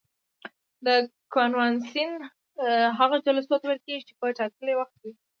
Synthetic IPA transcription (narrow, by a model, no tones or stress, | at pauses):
d̪əkonwɑnsin | ɦaɣad͡ʒalasot̪wəɾkeɡit͡ʃepəʈɑkəlewaxt̪̚wi